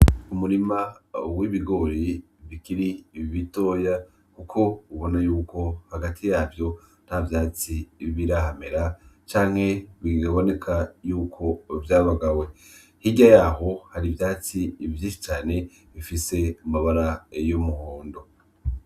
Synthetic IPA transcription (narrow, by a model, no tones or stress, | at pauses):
umuɾimawiβiɡo̞ɾi | βikiɾiβito̞ːja | kukʰo̞uβo̞najuːko̞haɡatʰijaːvjo̞ | n̥havjaːt͡siβiɾahame̞ɾat͡ʃaːŋ̥he̞βiɡaβo̞ne̞kʰajuːkʰo̞vjaːβaɡawe | hiɟajaɦo̞haɾivjaːt͡sivjiːnʃi̥t͡ʃaːne̞ | βifise̞umaβaɾajomuhoːndo